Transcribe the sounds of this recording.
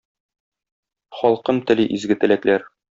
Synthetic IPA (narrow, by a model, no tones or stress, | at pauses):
χɒlˠqɤmt̪ɘ̆lɘʔizɡɘ̆t̪ɘ̆læklæɾ